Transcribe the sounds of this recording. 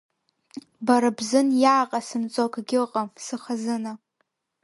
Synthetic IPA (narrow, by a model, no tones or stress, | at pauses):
baɾabzɨnjaːqʼasɨmt͡sʼokʼɡʲɪlqʼamsɨχazɨna